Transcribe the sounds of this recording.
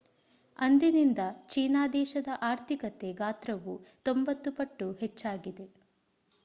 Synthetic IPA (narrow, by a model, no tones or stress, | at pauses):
ɐnd̪inind̪ɐt͡ʃiːnaːd̪ɛːʃɐd̪ɐʔaːɾt̪ʰikɐt̪e̞ɡaːt̪ɾɐʋut̪o̞mbɐt̪ːupɐʈːuhet͡ʃːaːɡid̪e̞